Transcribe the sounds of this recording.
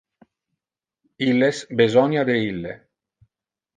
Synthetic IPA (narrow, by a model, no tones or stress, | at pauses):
ilːesbezɔnad̪eilːḛ